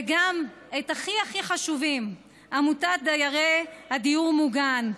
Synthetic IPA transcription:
ɡam | etaχiaχiχaʃuvim | amutat̚dajaʁehadijuʁmuɡan

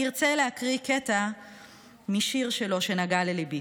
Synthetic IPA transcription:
iʁt͡selehakʁiketa | miʃiʁʃe̞lo̞ʃe̞naɡalelibi

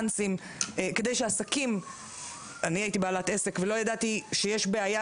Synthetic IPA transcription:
nsim | eke̞d̪ejʃeasakim | aniait̪ibealat̪ese̞kvelo̞jad̪at̪iʃejeʃbeaja

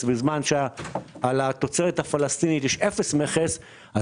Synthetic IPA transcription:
bizmanʃealat̪o̞t͡seʁet̪hafalast̪init̪jɛʃefesmeχes | a

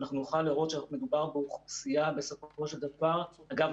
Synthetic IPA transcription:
naχnunuχalːiʁo̞tʃeanaχmid̪ubaʁbeuχusiabe̞sofo̞ʃe̞ld̪avaʁaɡav

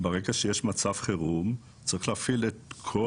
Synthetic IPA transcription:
beʁeɡaʃejeʃmat͡savχeʁum | t͡sʁiχlaːfiletkʰo

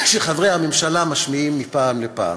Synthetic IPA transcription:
kʃelχavʁejhamemʃalamaʃmiimːipaːmlepa̰ːm

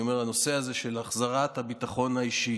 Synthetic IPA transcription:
omeʁano̞seaze̞ʃe̞laχzaʁat̪habit̪aχo̞naiʃi

